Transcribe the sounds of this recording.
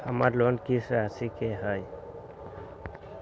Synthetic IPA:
amaɾlɔnkiseasikeɦaj

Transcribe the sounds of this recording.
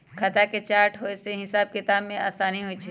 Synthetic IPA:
kʰɐt̪aket͡ʃaːɾʈʰɦoːeseɦɪsaːb̚kɪt̪aːbmẽa̰ːsaːniɦoːit͡ʃʰi

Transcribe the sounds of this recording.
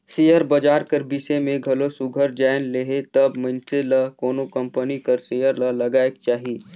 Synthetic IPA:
sijəɾbɐd͡ʒaːɾkəɾbisemẽɡʱɐlosʊɡʱəɾd͡ʒaːɪnleɦet̪ɐbmɐ̃nselɐkoːnokɐ̃mpənikəɾsijəɾlɐlɐɡaːek̚t͡ʃaːɦieː

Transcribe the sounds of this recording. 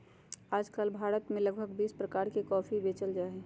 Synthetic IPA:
aːd͡ʒkaːlbʱaːɾət̪mẽləɡ̚bʱəɡbiːspɾəkaːɾkikɔːpʰibeːt͡ʃəld͡ʒaːe

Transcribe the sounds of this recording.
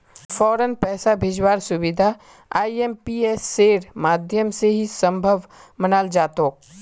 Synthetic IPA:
fʰɔːɾənpɛːsabʱɪd͡ʒwaːɾsʊbɪd̪ʱa | aːiempiesːeːɾmaːd̪ʱjəmseɦisə̃mbʱəʋmənaːld͡ʒaːt̪oːk̚

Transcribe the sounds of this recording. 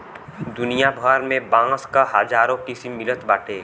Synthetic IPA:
d̪ʊnijabʱəɾmẽbãːskaɦad͡ʒaːɾõkisimɪlət̪baːʈʰeː

